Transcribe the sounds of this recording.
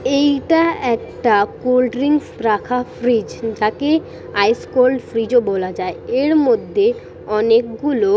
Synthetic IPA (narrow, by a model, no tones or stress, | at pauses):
ejʈaɛkʈakolɖɾiŋspɾakʰafɾid͡ʑd͡ʑake | ajskolɖfɾid͡ʑobolad͡ʑaeeɾmod̪ʱːe | ɔnekɡulo